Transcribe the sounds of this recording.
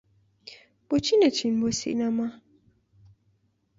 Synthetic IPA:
bot͡ʃinət͡ʃʰinbosḭnama

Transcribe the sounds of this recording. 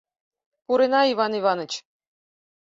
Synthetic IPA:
puɾenɑivɑnivɑnɤ̆t͡ɕ

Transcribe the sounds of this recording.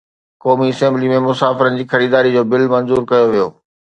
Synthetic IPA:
kɔːmiɪsẽːmbɪlimẽmʊsaːfɪɾənɪ̆d͡ʑiːxɐɾiːd̪aːɾid͡ʑoːbɪlmɐ̃nzuːɾkɐjoʋijo̰ː

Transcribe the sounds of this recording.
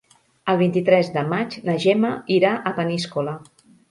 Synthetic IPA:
əlˠβ̞int̪it̪ɾɛzd̪əmat͡ʃnəʒɛməiɾaʔəpəniskulə

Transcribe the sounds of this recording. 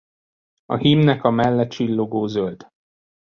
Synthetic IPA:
ɒ̰ɦimnɛkɒmɛlːɛt̪t͡ʃilːo̞ɡoːzølt̪

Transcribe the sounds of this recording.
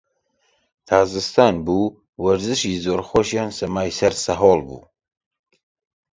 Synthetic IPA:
t̪ʰaːzɨst̪ʰaːnbuː | wɐɾzɨʃizoːɾxoʃjɑːnsɐmaːjsɐɾsɐɦoːlˠbṵː

